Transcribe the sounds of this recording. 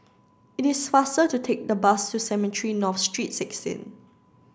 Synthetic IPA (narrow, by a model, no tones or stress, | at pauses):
ɪtɪsfastətutʰek̚dəbastusɛmɛtʰɹinɔfstɹitsɛksḭ̃n